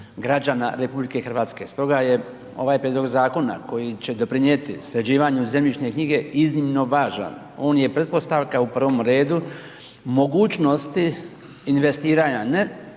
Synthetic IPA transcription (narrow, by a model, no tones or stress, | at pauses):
ɡɾad͡ʑana̰ɾe̞publike̞xr̩ʋaːt̪ske̞st̪o̞ɡaje̞ | o̞̰ʋaːjpɾʲjed̪lo̞ɡzaːko̞na̰ko̞jit͡ɕe̞d̪o̞pɾiɲet̪isɾed͡ʑiːʋaɲze̞mʎʲit͡ʃne̞kɲiɡe̞iznimno̞ʋaːʒa̰n | o̞ːnje̞pɾe̞t̪̚po̞st̪aʋkaupr̩ʋo̞mɾe̞ːd̪u | mo̞ɡuːt͡ɕno̞st̪i | inʋe̞st̪iːɾaːɲane